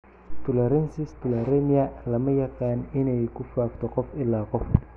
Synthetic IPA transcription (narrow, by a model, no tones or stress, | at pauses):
t̪ʰʊlɛɾɐnsɪst̪ʊlɛɾɛmɪɐlɐmɐjɐqɑːnɪnɛjkʰʊfaːkt̪ʰɔqɔfɪlːaːqɔf